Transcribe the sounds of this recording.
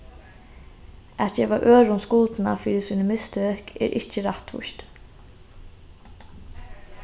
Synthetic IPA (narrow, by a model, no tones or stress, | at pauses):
æt̪̚d͡ʒɛːʋaʔøːɹʊnskʊlt̪na̰fiːɾɪsiːnəmɪst̪økʰɛ̰ːɾʔɪcəɾaht̪ʋʊ̰ʃt̪